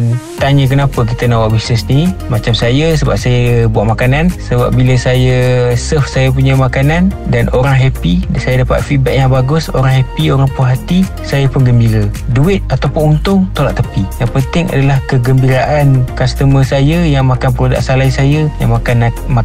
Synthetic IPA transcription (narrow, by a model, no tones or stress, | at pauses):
nt̪aɲək̬ənapək̬it̪ənawaʔbisnəsnimat͡ʃamsajəsəba̰p̚sajəbuaʔ̪̚makanansəba̰p̚biləsajəsəfsajap̬uɲamakanandanʔoɾaŋɦɛpisajadapa̰t̪̚fibaʔ̚jaŋbaɡʊso̰ɾaŋɦɛpioɾaŋpuɦat̪i | sajapənɡəmbiɾəduɪt̪̚at̪awpʊnunt̪ʊŋt̪olaʔt̪əpijaŋpənt̪ɪŋa̰dalahkəɡəmbiɾaʔankast̪əməsajəjaŋmakanpəɾoda̰ʔsalaisajəjaŋmakanm